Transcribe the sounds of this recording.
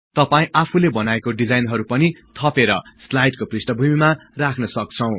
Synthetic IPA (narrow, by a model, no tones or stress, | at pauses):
t̪ʌpaĩʔapʰulebʌnaekoɖid͡zajnɦʌɾupʌnit̪ʰʌpeɾʌslajʈkoprisʈʌbʱumimarakʰnʌsʌk̚t͡sʰʌw̃